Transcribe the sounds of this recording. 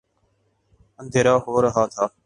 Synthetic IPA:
ənd̪ʱeːɾaːɦoːɾəɦaːt̪ʰaː

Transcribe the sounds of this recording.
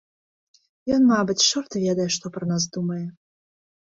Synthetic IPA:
jɔnmabɨt͡sʲʂɔrt̪vʲɛd̪ɐjɛʂt̪ɔpɾɐnas̬d̪umɐjɛ

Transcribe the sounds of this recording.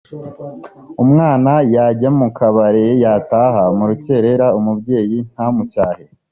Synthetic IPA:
umŋaːnajaɟamukʰaβaɾejataːɦamuɾuce̞ɾe̞ɾaumubɟe̞ːjin̥hamucaːhe

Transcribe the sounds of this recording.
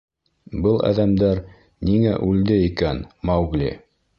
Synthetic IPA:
bɤlˠæ̰ðæmd̪æɾ | niŋæʔʉld̪ɘikænmɑwɡlḭ

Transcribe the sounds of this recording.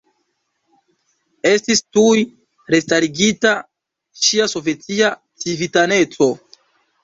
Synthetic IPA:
e̞stistuj | ɾe̞staɾiɡita | ʃiaso̞vje̞tia | t͡sivitane̞t͡so̞

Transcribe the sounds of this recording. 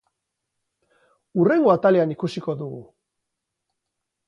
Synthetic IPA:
ure̞ŋɡo̞at̪alianikusiko̞ðuɣṵ

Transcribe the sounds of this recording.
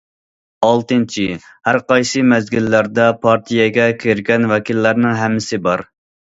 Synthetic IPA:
ɑlˠt̪ɨnt͡ʃʰi | hæɾqɑjsɨmɛzɡʲilːæɾd̪ɛpʰɑɾt̪ʰijɛɡʲɛkʲʰeɾɡʲɛnwɛkʲilːæɾnɪŋɦɛmːɪsɪbɑɾ

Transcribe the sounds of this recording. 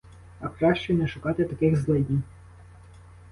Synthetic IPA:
ɐkɾɑʃt͡ʃɛnɛʃʊkɑt̪et̪ɐkɪxzlˠɛdʲin

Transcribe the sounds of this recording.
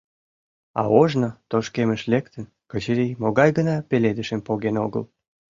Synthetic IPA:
ɑ̰oʒnot̪oʃkeməʃlekt̪ən | kət͡ɕəɾijmoɣɑjɣənɑpeled̪əʃəmpoɣenoɣə̰l

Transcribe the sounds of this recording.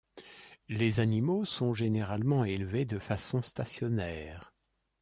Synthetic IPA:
lezanimosɔ̃ʒeneʁalmɑ̃elved̪əfasɔ̃st̪asjɔnɛːʁ

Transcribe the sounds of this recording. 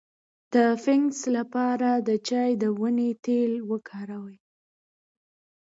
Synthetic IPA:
d̪̥əfɪŋslapɑɾad̪ət͡ʃɑjd̪əwənet̪elwəkʰɑɾawəj

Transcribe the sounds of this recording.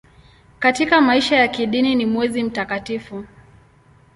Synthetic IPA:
katikamaiʃajakiɗininimwɛzim̩takatifu

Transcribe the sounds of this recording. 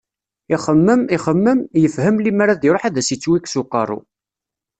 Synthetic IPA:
iχəmːəmiχəmːəmjəfhəmlimaɾaðiɾˤoħaðæsit͡sːwiksuqːɑrˤṵ

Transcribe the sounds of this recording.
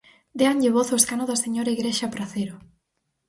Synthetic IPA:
d̪eaɲʎɪβoθoeskanoðɐseɲoɾaiɣɾeʃapɾaθeɾo

